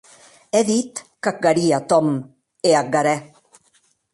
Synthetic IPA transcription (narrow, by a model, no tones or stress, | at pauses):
ɛðit̪kak̚ɡaɾiat̪ɔm | eak̚ɡaɾɛ